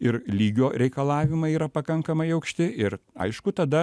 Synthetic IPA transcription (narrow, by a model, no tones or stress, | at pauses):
ɪɾlʲiːɡʲoːɾʲɛɪkɐlˠɑːʋʲɪmɐɪiːɾɐpɐkɐŋkɐmɐɪɐʊkʃʲt̪ʲɪɪɾɐ̰ɪʃkʊt̪ɐd̪ɐ